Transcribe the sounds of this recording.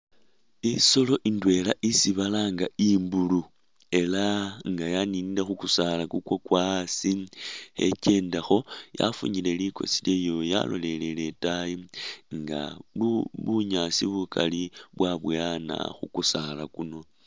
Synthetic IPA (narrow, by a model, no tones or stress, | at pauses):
iso̞lo̞ʔindwe̞laʔisiβalaːŋɡaimbulu | e̞laŋɡajaniːndexukusalakukwokwasihe̞̰ce̞ːndaxo̞ja̰fṵɲile̞liko̞̰siljejo̞ja̰lo̞le̞lele̞taiŋɡa̰uβuɲasiβukʰa̰liβwaβwana̰xukusalakuno̞